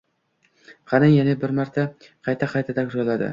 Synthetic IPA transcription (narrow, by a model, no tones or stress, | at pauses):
χanɪŋjanɪbɪɾmaɾt̪ʰa | qʰɑjt̪ʰaqʰɑjt̪ʰad̪akʲʒolˠːad̪ɪ̰